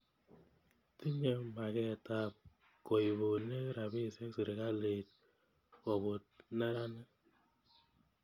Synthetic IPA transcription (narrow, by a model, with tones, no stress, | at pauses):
ti˦ɲe˦ma˨kɛ˦˨ta˦˨p̚ | kɔ˨i˨bo˨ne˦ɾa˨bi˦˨se˦ksi˨ɾe˨ka˦le˨t̚ | ɔ˨bo˨t̚nɛ˦ɾa˦nɛ˦